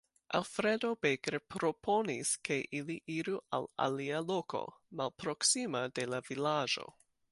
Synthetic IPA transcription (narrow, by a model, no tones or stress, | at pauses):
ʔa̰lfɾedo̞beɡɾepɾo̞pʰo̞niskʰe̞ʔiliʔiɾua̰la̰lialo̞ko̞̰malpɾo̞ksimade̞lavilad͡ʒo̞̰